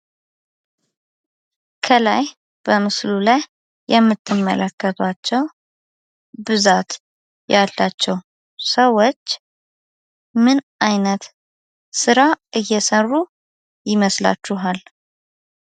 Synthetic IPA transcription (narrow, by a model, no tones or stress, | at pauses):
kʰəlaj | b̥əmɨslulajː | ɛmːɨt̪ʰːɨmːə̰lʔəkːət̪ʰat͡ʃːɛw | bɨzat̪ | jalːat͡ʃːɛw | səwot͡ʃː | mɨnʔajnət̪ | sɨɾaʔɨjːɛsərːu | jɪməsla̰t͡ʃːuɦal